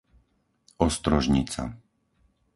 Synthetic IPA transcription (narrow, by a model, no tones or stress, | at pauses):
ɔst̪ɾɔʒɲit͡sa̰